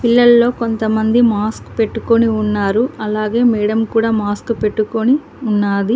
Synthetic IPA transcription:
pilːɐlːo̞ːkont̪ɐmɐnd̪imaːskpe̞ʈːuko̞niunːaːɾuɐlaːɡe̞ːmɛːɽɐmkuːɽaːmaːskpe̞ʈːuko̞ni | unːaːd̪i

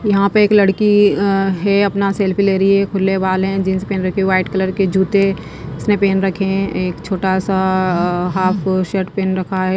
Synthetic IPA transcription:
jɐɦãpɐɾeːklɐɽkiɦɛɐpnaseːlpʰileːɾɐiɦɛkʰʊlːeʋaːlɦɛ̃d͡ʒɪnsepeːnɾɐkʰeʋaːɪʈkɐləɾked͡ʒʱuːt̪e | ɪsnepeːnɾɐkʰẽeːkt͡ʃʰoːʈasa | ɦaːpʰʃəʈpeːnɾɐkʰaɦɛː

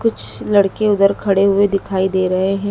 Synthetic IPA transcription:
kʊt͡ʃʰlɐɽkeʊd̪əɾkʰɐɽeɦʊed̪ɪkʰaːid̪eːɾɐɦeɦɛ̃ː

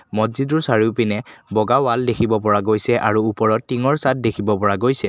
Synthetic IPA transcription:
mɔziduɹsaɹiʊpinɛbɔɡawaldekʰibɔpɔɹaɡojsɛʔaɹuupɔɹɔtːiŋɔɹsat̚dekʰibɔpɔɹaɡojsɛ

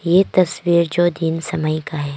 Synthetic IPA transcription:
jet̪ɐsʋiːɾd͡ʒoːd̪insɐməjkaɦɛː

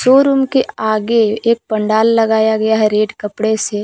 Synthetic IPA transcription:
soːɾuːmkeaːɡeeːk̚pɐ̃ɳɖaːlːɐɡaːjaɡɐjaɦɛɾeːɖkɐpɽese

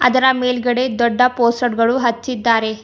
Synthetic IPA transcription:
ɐ̰d̪ɐɾɐmeːlɡɐɽe̞d̪ɔɖːɐpoːsʈɐɖɡɐɭuɦɐt͡ʃːid̪ːaːɾe̞

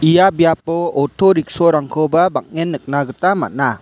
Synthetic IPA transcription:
ijabijap̚ːɔɔtʰɔɾik̚sɔɾaŋkʰɔbabak̚ŋenːɯk̚naɡɯtama̰t̚na

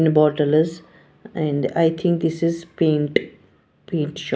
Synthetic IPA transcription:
nbɔːʈəlz | ɛ̃ɳɖaɪt̪ʰɪ̃ŋk̚d̪ɪsɪzpẽːɳʈ | pẽːɳʈʃ

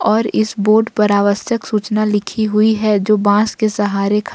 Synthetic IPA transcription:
ɔːɾɪsboːɾɖpɐɾaːʋəsjəksuːt͡ʃnalɪkʰiɦʊiɦɛd͡ʒoːbãːskesɐɦaːɾekʰ

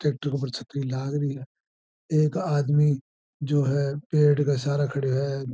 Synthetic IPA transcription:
ʈeːk̚ʈəɾkopɐɾt͡ʃʰɐt̪ɾilaːɡɾəiɦɛː | eːkaːd̪mi | d͡ʒoːɦɛpeːʈkasaːɾakʰɐɽeɦɛ

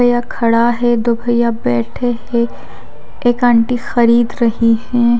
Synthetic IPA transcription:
jakʰɐɽaɦɛd̪obʱɐjabɛːʈʰeɦɛ | eːkə̃ɳʈixɐɾiːd̪ɾɐɦiɦɛ̃ː

